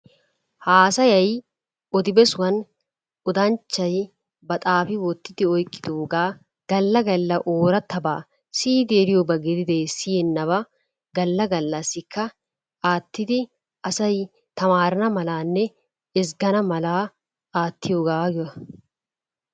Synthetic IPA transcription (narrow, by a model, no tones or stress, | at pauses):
haːsɐjɐj | ɔd̪ɪbɛsʊwɐn | ɔd̪ɐnt͡ʃːɐj | bɐt̪ʼaːfɪwɔt̪ːɪ̥t̪ɪɔjkʼːɪ̥t̪uːɡaː | ɡ̥ɐlːɐɡɐlːɐʔoːɾɐt̪ʰːɐba̰ː | siːd̪eːɾɪjɔbɐɡɛd̪ɪd̪ɛːsiɛnːɐbɐ | ɡɐlːɐɡɐlːɐsɪkːɐ | aːt̪ːɪt̪ɪ | ɐsɐj | t̪ɐmaːɾɐnɐmɐlaːnːɛ | ɪs̬ɡɐnɐmɐlaː | aːt̪ːɪjuːɡaːɡɪɐ